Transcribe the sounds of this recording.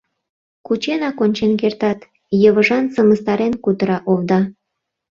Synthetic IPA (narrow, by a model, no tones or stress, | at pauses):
kut͡ɕenɑkonʲt͡ɕenkert̪ɑt̪ | jəβəʒɑnsəməst̪ɑɾenkut̪əɾɑʔoβd̪ɑ